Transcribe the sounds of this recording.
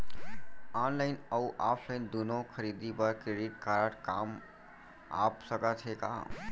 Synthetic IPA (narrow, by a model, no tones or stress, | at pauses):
anlaɪnəuʔapʰlaɪnd̪unõkʰəɾid̪ibəɾkɾeɖiʈ̚kaɾəʈka̰m | a̰psəkət̪ɦeka̰